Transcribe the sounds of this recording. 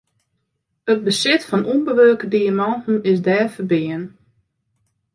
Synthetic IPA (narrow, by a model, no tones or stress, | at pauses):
ət̚bəsɪtfɔnʔunbəʋøːkədiamɔntn̩ɪsdɛːfərbɪən